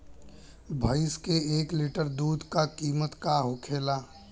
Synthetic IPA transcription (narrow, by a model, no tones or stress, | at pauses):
bʱəɪskeeːklɪʈəɾd̪uːd̪ʱkakiːmət̪kaɦokʰeːla